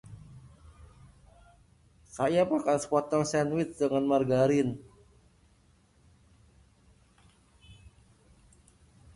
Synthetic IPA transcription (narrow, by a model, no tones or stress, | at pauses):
kajapakansə̥pɔt̪ɔŋsɛnwɪt̪̚dəŋanmarɡaɾɪn